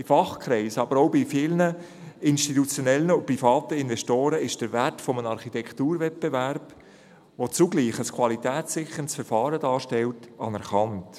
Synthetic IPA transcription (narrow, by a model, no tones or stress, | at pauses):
ɪfɑχkʰɾɛɪsɑbəɾoʊbɪfɪːlnə | ɪnʃtitut͡sjonɛlənəʊpɾifɑːtəɪnvɛʃtoːɾəɪʃd̥əɾvɛrtfɔmənɑɾχitɛkʰtuːɾvɛt̚b̥evæɾb̥ | ʋot͡suɡliːχəskʰwɑlitɛːt͡sːɪxənsfəɾfɑːɾədɑːʃtɛltɑnɛɾχɑnt